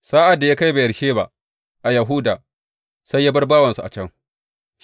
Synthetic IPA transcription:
saː˦ʔa˨dːa˨jaː˦ka˦jba˨jɐ˨ɽʃeː˦ba̰˦ʔ | ʔa˨jɐ˨ɦu˦daː˨ | sa˦jːaː˦bɐ˦rbaː˦wɐ˨nsu˨ʔa̰˨t͡ʃɐ˦ŋ

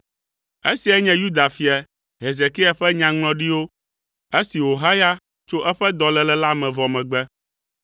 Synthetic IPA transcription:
ḛ˦si˨ɛ˦ɲɛ̃˦ju˦d̪a˨fi˨ɛ˨ | ɦe˨ze˨ki˦a˨ɸɛ˦ɲã˨ŋlɔ̃˨ɖi˦wo˦ | e˦si˨ɦo˨ɦa˦ja˦ | t͡ʃo˦ʔɛ˦ɸɛ˦d̪ɔ˨lɛ˨lɛ˦la˦mɛ̃˨vɔ˨mɛ̃˨ɡ͡bɛ˦

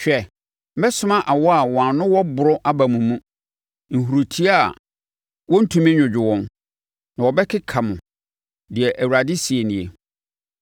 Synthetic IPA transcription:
ɕᶣɛ˨ | m̩˦mɛ˦sʊ̃˦mã˦ʔa˨wɔ˦a˨wɔ̃˨a˨nʊ̃˦wɔ˦bʊ˨ɾʊ˦ʔa˦ba˨mũ˨mũ˦ | ŋ̩˨ɦu˨ɾu˨tʰi˦a˦˨ | wɔ̃˦n̩˦tʰũ˦mɪ̃˦ɲᶣʊ̃˨d͡ʑᶣɪ˨wɔ̃˦n | nã˨wɔ˨bɛ˦kʰɪ˦kʰa˨mʊ̃˨ | dɪ˨ɛ˨ʔæ˨wu˨ɾa˨dɪ˦si˨e˨nɪ̃˨e˦

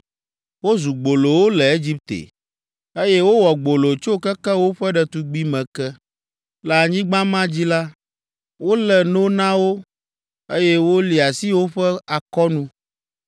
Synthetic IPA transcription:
wo˦zu˨ɡ͡bo˨lo˨wo˦lɛ˨e˦d͡ʑi˦p̚t̪ḛ˨ | e˦je˦wo˦wɔ˨ɡ͡bo˨lo˨t͡ʃo˦kɛ˦kɛ˦wo˦ɸɛ˦ɖɛ˨t̪u˦ɡ͡bi˦mɛ̃˨kɛ˦ | la˨ɲĩ˦ɡ͡bã˦mã˦d͡ʑi˦la˦ | wo˦lɛ˨no˦nã˦wo˦ | e˦jɛ˦wo˦li˨a˨si˦wo˦ɸɛ˦a˨kɔ˦nũ˦

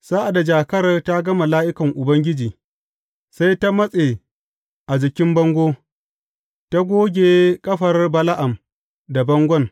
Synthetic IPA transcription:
saː˦ʔa˨da˨d͡ʒaː˨kɐ˦rta˦ɡɐ˦mɐ˨laː˦ʔɪ˦kɐ˨ŋʔʊ˨bɐ˦ŋɡʲɪ˦d͡ʒiː˨ | sa˦jta˦mɐ˦sʼe˨ | ʔa˨d͡ʒɪ˨kʲɪ˦mbɐ˦ŋɡʷoː˦ | ta˦ɡʷoː˦ɡʲeː˨kʼɐ˦ɸɐ˨rbɐ˦la˦ʔa˨m | da˨bɐ˦ŋɡʷɔ˦ŋ

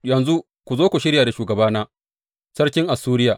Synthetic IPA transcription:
jɐ˨nzu˦ | kʷu˨zoː˦kʷu˨ʃɪ˦ɽjaː˨da˨ʃuː˨ɡɐ˨baː˦naː˦ | sɐ˦rkʲɪ˦ŋʔa˨suː˦ɾɪ˦jaː˨

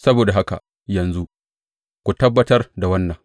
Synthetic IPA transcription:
sɐ˦boː˨da˨ɦa˦ka̰˨ | jɐ˨nzu˦ | kʷu˨tɐ˦bːɐ˦tɐ˦rda˨wɐ˦nːɐ˨ŋ

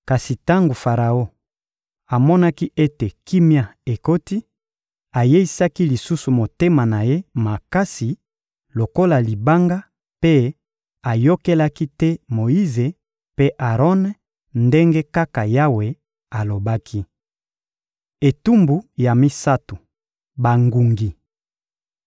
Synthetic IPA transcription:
ka˨si˨ta˦ŋɡo˨fa˨ʁa˨o˦ | a˨mɔ˦na˦ki˦ʔe˦te˨ki˦mja˦˨e˨ko˦ti˦ | a˨je˦i˦sa˦ki˦li˨su˦su˨mo˨te˦ma˨na˨je˦ma˨ka˦si˨ | lo˨ko˦la˨li˨ba˦ŋɡa˦ | pe˦ | a˨jo˦ke˦la˦ki˦tɛ˦mo˨i˦ze˨ | pe˦ʔa˨ʁɔ˦n | nde˦ŋɡe˦ka˦ka˨ja˦we˨ | a˨lo˨ba˦kʰi˦ | e˨tu˦mbu˨ja˨mi˦sa˦tu˨ | ba˨ŋɡu˨ŋɡi˨

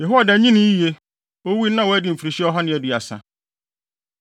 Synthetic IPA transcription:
jɛ˨ɦo˦a˨dɛ˨˦ɲĩ˦nɪ̃˦i˦e˦ | o˦wi˦nã˦wo˨˦æ˦dɪ˨m̩˨fɾi˨ɕi˦ɔ˦ɦɔ˦nɪ̃˦˨ɛ˨di˨a˨sã̰˦

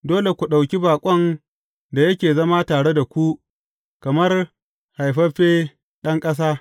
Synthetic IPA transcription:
doː˦le˨kʷu˨ɗa˨wkʲi˦baː˨kʷʼɔ˦n | da˨jɐ˦kʲeː˨zɐ˦ma˦taː˨ɽe˦da˨kʷu˦ | kɐ˨mɐ˦r | ha˨jɸɐ˦ɸeː˦ | ɗɐ˦ŋkʼɐ˦s̬aː˦

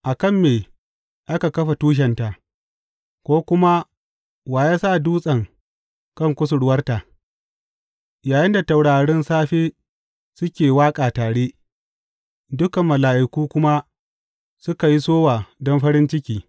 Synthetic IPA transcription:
ʔa˨kɐ˦˨mːeː˨ | ʔa˦ka˨kɐ˦ɸa˨tuː˦ʃ̬ɛ˨nta˨ | kʷoː˦kʷʊ˦ma˦ | waː˨jaː˦sa˦˨duː˦sʼɐ˨ŋ | kɐ˦˨ŋkʷʊ˦s̬ʊ˨ɽʊ˦wɐ˦rta˨ | jaː˨jɪ˦nda˨ta˨wɽaː˨ɽɛ˦nsaː˦ɸeː˦ | sʊ˦kʲeː˨waː˦kʼaː˨taː˨ɽeː˦ | dʊ˦kɐ˨mːɐ˨laː˨ʔɪ˨kuː˦kʷʊ˦ma˦ | sʊ˦ka˨ji˦soː˦waː˨dɔ˦mɸɐ˦ɽɪ˦nt͡ʃɪ˦kʲiː˨

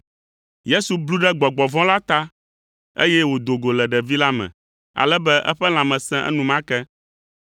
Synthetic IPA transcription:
je˦su˨blu˦ɖɛ˦ɡ͡bɔ˨ɡ͡bɔ˨vɔ̃˦la˦t̪a˦ | ḛ˦jɛ˦wo˨d̪o˨ɡo˨lɛ˨ɖɛ˨vi˦la˦mɛ̰̃˨ | a̰˨lɛ˦bɛ˦ʔɛ̰˦ɸɛ˦l̃ã˨mɛ̃˨sɛ̃˦ʔɛ̰˦nũ˨mã˦kɛ˦

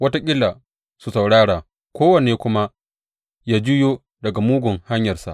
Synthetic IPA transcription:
wɐ˦ta˦kʲʼɪ˦lːa˨ | su˨sa˨wɽaː˦ɽaː˨ | kʷoː˦wɐ˨neː˨kʷʊ˦ma˦ | jaː˦d͡ʒʊ˦joː˦ | dɐ˨ɡa˨muː˦ɡʷʊ˨ŋha˦ɲjɐ˨rsa̰˨ʔ

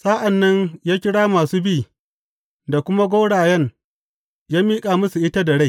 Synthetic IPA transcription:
sa˦ʔa˨nːɐ˦ɲjaː˦kʲɪ˦ɽaː˦maː˨suː˦biː˦˨ | da˨kʷʊ˦ma˦ɡʷoː˦ɽaː˨jɐ˦n | jaː˦miː˦kʼaː˨mʊ˦su˨ʔɪ˦ta˦da˨ɽa˦˨

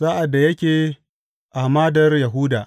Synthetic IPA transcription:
zaː˦ʔa˨dːa˨jɐ˦kʲeː˨ | ʔa˨hmaː˦dɐ˨rja˨ɦu˦daː˨ʔ

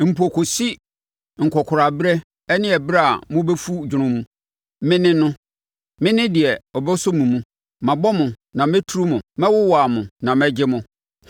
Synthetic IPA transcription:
m̩˨pʰu˨o˨kʰo˨si˦ | ŋ̩˨kʰɔ˨kʰʊ˨ɾa˨bɾɛ˦ | ɛ˦nɪ̃˦ɛ˨bɾa˦˨mʊ̃˦bɛ˦fu˦d͡ʑᶣʊ˨ɾʊ̃˦mũ˦ | mɪ̃˦nɪ̃˦nʊ̃˦ | mɪ̃˦nɪ̃˦dɪ˨ɛ˨ɔ˨bɛ˦sɔ˦mũ˨mũ˦ | mã˨bɔ˦mʊ̃˨ | nã˨mɛ̃˦tʰu˨˦ɾu˦mʊ̃˨mɛ̃˦wʊ˦wa˨mʊ̃˨nã˨mɛ̃˦d͡ʑɪ˦mʊ̃˨

